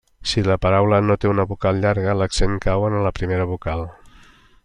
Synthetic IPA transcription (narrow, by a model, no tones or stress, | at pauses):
siləpəɾawlənot̪eunəβukalˠʎaɾɣələksenkawənələpɾimeɾəβukalˠ